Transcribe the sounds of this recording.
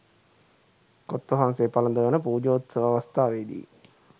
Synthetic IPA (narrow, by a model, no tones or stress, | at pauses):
kot̪ːoɦanseːpalɐnd̪əʋənəpuːd͡ʒoːt̪səʋaʋast̪aːʋeːd̪ḭː